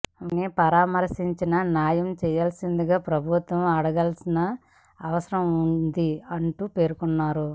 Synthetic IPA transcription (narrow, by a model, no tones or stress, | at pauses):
nepɐɾaːmɐɾsiɲt͡ʃinɐnjaːjɐmt͡ʃɛːjaːlsind̪iɡaːpɾɐbʱut̪ʋɐmɐɽɐɡɐlsinɐː | ʋɐsɐɾɐmund̪iɐɳʈuːpe̞ːɾukunːaːɾu